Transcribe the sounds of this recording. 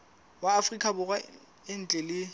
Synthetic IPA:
waːfrikʼabʊrwa | ɪn̩t͡ɬʼɛlɪ

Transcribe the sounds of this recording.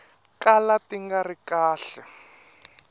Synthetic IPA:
kalatiŋɡarikaːɬɛ

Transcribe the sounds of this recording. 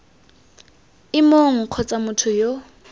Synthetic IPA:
ɪmoŋ̩q͡χʰɔt͡sʼamʊtʰʊjo

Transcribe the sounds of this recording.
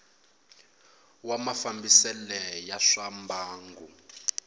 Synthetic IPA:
wamafambisɛlɛjaʂambaːŋɡu

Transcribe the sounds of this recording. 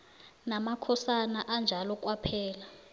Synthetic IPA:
namakʰɔsanaʔand͡ʒʱalɔkʼwapʰɛːla

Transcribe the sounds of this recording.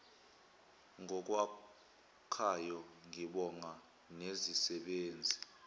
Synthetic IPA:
ŋɔk̬ʼwa | kʰajɔŋiɓɔŋa | nezisɛɓeːnd͡zʱi

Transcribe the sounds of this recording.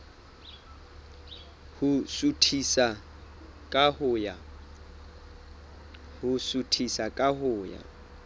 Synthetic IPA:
hʊsutʰisa | kʼahʊja | hʊsutʰisakʼaɦʊːja̰

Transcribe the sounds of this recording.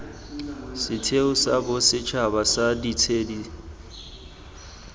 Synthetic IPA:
sɪtʰeʊsabʊsɪt͡ʃʰabasaditʰeːdi

